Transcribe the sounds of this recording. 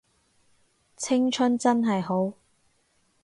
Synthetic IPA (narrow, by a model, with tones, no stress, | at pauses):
t͡sʰɪ˥ŋt͡ʃʰɵ˥nt͡sɐ˥nɦɐ˨jɦo˨˥w